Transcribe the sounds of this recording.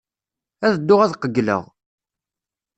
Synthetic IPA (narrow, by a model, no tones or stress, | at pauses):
æðəd̪ːʊʁæðqəɡːlə̰ʁ